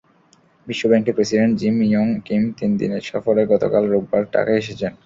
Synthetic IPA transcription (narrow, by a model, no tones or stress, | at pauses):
biʃːobɛŋkepɾesiɖeɳʈd͡ʑimijɔŋkimt̪ind̪ḭneɾʃɔfoɾeɡɔt̪o̰kalɾoɡ̚baɾʈa̰kaeʃet͡ɕʰen